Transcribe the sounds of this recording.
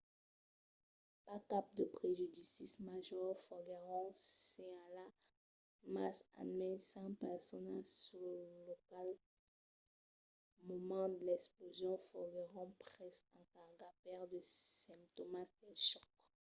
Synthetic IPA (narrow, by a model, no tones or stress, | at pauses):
pakap̚d̪əpχeʒyd̪isismaʒɔʁfɔɡɛʁɔ̃ɛ̃ala | masa̰mɛ̃nsɑ̃pɛʁsɔnalsyʁləlɔkal | mɔmɑ̃d̪əlɛksplozjɔ̃fɔɡeʁɔ̃pχɛsɑ̃kaʁɡapɛʁd̪əsɛ̃mp̚t̪omast̪ɛlʃɔk